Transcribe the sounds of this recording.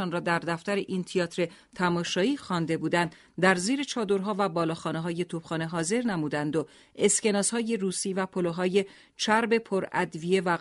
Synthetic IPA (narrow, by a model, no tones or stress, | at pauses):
ɒːnrɒːd̪æɾd̪æft̪æɾeʔint̪ʰiɒːt̪ʰɾe̞ | t̪ʰæmɒːʃɒːiːxɒːnd̪e̞buːd̪ænd̪ | d̪æɾziːɾe̞t͡ʃʰɒːd̪o̞ɾɦɒːvæbɒːlɒːxɒːneɦɒːje̞t̪ʰub̥χɒːne̞ɦɒːze̞ɾnæmuːd̪ænd̪o | e̞sce̞nɒːshɒːje̞ruːsiːvæpʰoloɦɒːje̞ | t͡ʃʰæɾbe̞pʰoɾæ̰d̪vije̞væ